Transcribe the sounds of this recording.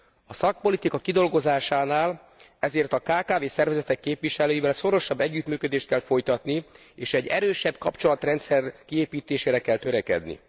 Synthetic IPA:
ɒsɒk̚po̞lit̪ikɒkid̪o̞lɡo̞zaːʃaːnaːl | ɛzeːrt̪ɒkaːkaːveːsɛrvɛzɛt̪ɛkːeːpʋiʃɛløːjivɛlso̞ɾo̞ʃɒbːɛɟːyt̪myːkød̪eːʃt̪̚kɛlfo̞jt̪ɒt̪ni | eːʃɛɟːɛɾøːʃɛbkɒ̰pt͡ʃo̞lɒt̪rɛnt̪sɛrkieːpiːt̪eːʃeːɾɛkɛlt̪øɾɛkɛ̰d̪nḭ

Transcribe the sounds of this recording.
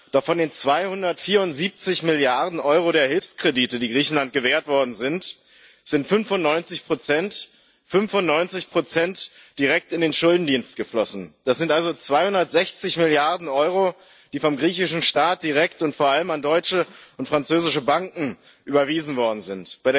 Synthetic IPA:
d̥ɔχfɔndeːnt͡sv̥aɪhʊndɐtfiːɐʊntz̥iːp̚t͡sɪçmɪljaɐdn̩ʔɔʏʁoɾeːɐɦɪlfskʁ̥ediːtədiːɡʁiːçn̩lant̚ɡ̥əveːɐtv̥ɔɐdn̩zɪnt | z̥ɪntfʏnvʊnnɔʏnt͡sɪçpʁ̥ot͡sɛnt | fʏnfʊnnɔʏnt͡sɪçpʁ̥ot͡sɛntd̥iʁɛk̚tɪndeːnʃʊldn̩diːnst̚ɡ̥əflɔsn̩d̥asz̥ɪntʔalzot͡sv̥aɪhʊndɐtz̥ɛçt͡sɪçmɪljaɐdn̩ʔɔʏʁo | d̥iːfɔmɡʁiːçɪʃn̩ʃtaːt̚d̥iʁ̞ɛktʊntfoːɐʔaləmandɔʏt͡ʃəʊntfʁ̥ant͡søːzɪʃəbaŋkŋ̩ | ʔyːbɐviːzn̩vɔɐdn̩zɪntb̥aɪɾeː

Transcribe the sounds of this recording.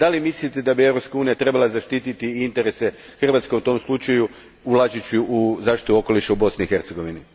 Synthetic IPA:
d̪alimislit̪ed̪abievɾo̞pskauːnijat̪ɾe̞balˠazaʃt̪it̪it̪iint̪e̞ɾese̞ | xr̩ʋaːt̪ske̞ut̪o̞mslˠut͡ʃaju | ulad͡ʒit͡ɕiuzaːʃt̪i̥t̪uo̞ko̞liʃaubo̞sniixe̞ɾt̪se̞ɡo̞ʋini

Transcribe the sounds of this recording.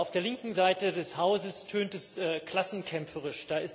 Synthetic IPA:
ʔaʊfd̥eːɐlɪŋkŋ̩zaɪtədɛshaʊzəstʰøːntɛsɛkl̥asn̩kʰɛmfəʁɪʃd̥aːɪst

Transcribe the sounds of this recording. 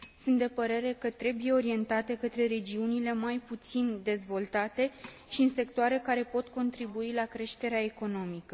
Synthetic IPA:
sunt̪d̪e̞pəɾe̞ɾe̞kət̪ɾe̞buje̞o̞ɾie̞nt̪at̪e̞kət̪ɾe̞ɾe̞d͡ʒiunile̞majput̪sind̪e̞zvo̞lt̪at̪e̞ | ʃiɨnse̞kt̪oaɾe̞kaɾe̞po̞t̪ko̞nt̪ɾibuilakɾe̞ʃt̪e̞ɾeae̞ko̞no̞mikə

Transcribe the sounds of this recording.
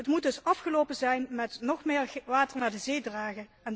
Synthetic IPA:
ətmut̚dɵsɑfχəlowpənzɛjnmɛtnɔχmɪːɹʋaːtəɹnaːɹdəzeːdraːχə | ɛn

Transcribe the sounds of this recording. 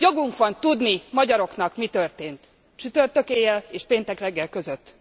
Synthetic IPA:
jo̞ɡuŋkʋɒnt̪ud̪nimɒɟɒɾo̞kn̪ɒkmit̪ørt̪eːnt̪ | t͡ʃyt̪ørt̪økeːjɛleːʃpeːnt̪ɛkrɛɡːɛlkøzøt̪ː

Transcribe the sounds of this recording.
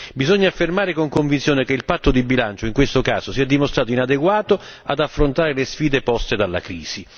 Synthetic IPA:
bizɔɲːafːermaːɾekoŋkoɱvint̪sjoːnekeilpat̪ːod̪ibilant͡ʃoiŋkwest̪oka̰ːzosiɛd̪ːimost̪ɾaːt̪oinad̪eɡwaːt̪o | a̰d̪afːɾont̪aːɾelesfiːd̪epɔst̪ed̪alːa̰kɾiːz̥i

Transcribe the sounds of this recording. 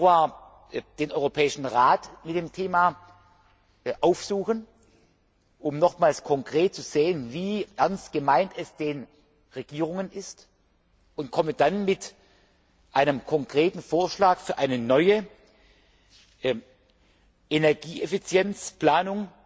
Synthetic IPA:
uaːɐ | d̥eːnʔɔʏʁopʰɛːɪʃn̩ʁaːtmɪt̚d̥eːmtʰeːmaː | ʔaʊfz̥uːxən | ʔʊmnɔχmaːlskʰɔŋkʁ̥eːt̚t͡suzeːənviːʔɛɐnstɡ̥əmaɪntɛsd̥eːn | ʁeɡ̥iːʁʊŋənɪst | ʔʊntkʰɔməd̥anmɪt | ʔaɪnəmkʰɔŋkʁ̥eːtn̩foːɐʃlaːkfyːɐʔaɪnənɔʏə | ʔenɛɐɡiːʔefit͡sjɛnt͡spl̥aːnʊŋ

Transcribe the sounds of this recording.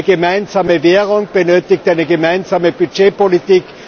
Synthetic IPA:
ɡəmaɪnzaːməveːʁʊŋb̥ənøːtɪktʔaɪnəɡəmaɪnzaːməb̥yd͡ʒeːpolitiːk

